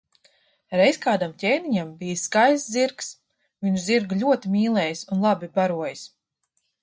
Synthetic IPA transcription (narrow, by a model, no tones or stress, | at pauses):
ɾɛjsʲkaːd̪amcʲɛjniɲambijskajsziɾks | viɲziɾɡlʲuɔt̪imʲiːlˠɛjsunlˠabibaɾuɔjis